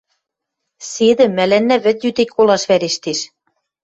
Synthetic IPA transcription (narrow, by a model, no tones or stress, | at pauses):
sed̪ɘ̆mːælænːæβɘ̆t̪jyt̪ek̚ʲkolɑʃβæɾeʃt̪eʃ